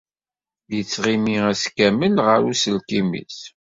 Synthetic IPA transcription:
jət͡sːʁimiæskæməlʁəɾusəlkimḭs

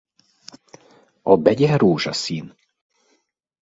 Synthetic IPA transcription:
ɒbɛɟɛɾuːʒɑ̰siːn

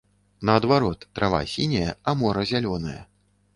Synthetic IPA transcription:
nɐːd̪vaɾɔt̪ːɾava̰sʲinʲɐjɐamɔɾɐzʲalʲɔnɐjɐ̰

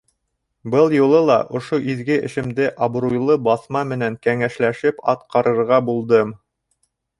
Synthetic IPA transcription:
bɤlˠjulˠɤlˠɑʔŏʃoʔiðɡɘʔɘ̆ʃɘ̆md̪ɘʔɑbɾujlˠɤbɑθmɑmɘ̆næŋkæŋæʃlæʃɘpɑ̰t̪qɑɾɤ̆ɾʁɑbulˠd̪ɤm

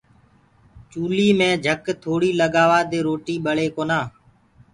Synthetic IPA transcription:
t͡ʃuːliːmẽːd͡ʒʱəkt̪ʰoːɽiːləɠaːʋaːd̪eːɾoːʈiːɓəɭeːkoːnaː

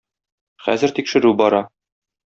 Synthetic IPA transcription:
χæ̰zɘ̆ɾt̪ikʃɘ̆ɾʉbɒɾɑ

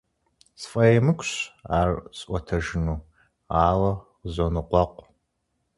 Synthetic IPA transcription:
sfʼɐjemɨkʷʰɕaːrsʼʔʷɔtʰɐʒɪnuː | aːlɐ | zonɨqʷɔqʷʼ

